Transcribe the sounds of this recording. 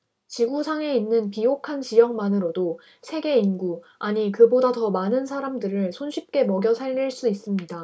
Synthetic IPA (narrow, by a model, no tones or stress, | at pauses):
t͡ɕiɡusʰaŋe̞inːɯnpijokʰant͡ɕijʌŋmanɯɾodo | sʰe̞ɡe̞inɡu | aɲikɯbodatʌmanɯnsʰaɾamdɯɾɯɭsʰonɕʰip̚k͈e̞mʌɡjʌsʰaɭːiɭs͈uis͈ɯmɲida